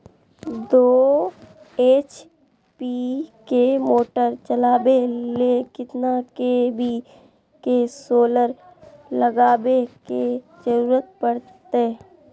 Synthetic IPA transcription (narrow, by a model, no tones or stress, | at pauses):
d̪oː | eːt͡ʃ | pikemoːʈəɾt͡ʃəlaːbelekɪt̪nakebʱi | kesoːləɾ | ləɡaːbeke | d͡ʒəɾuːɾət̪̚pəɽtt̪e